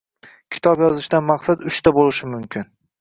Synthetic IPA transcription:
kʲʰɪ̥t̪ʰɒbjɒzɪʃd̪anmaqsad̪ʊʃt̪abolɪʃɪmʊmkʲʰɪn

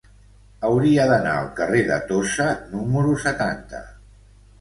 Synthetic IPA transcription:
əwɾiəðəna̰əlˠkəreðə̰t̪osənuməɾusət̪ant̪ə̰

